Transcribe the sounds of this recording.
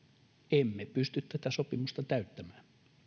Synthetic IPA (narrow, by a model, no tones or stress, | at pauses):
emːepyst̪yt̪t̪æt̪æsopimust̪ɑt̪æyt̪ːæmæːm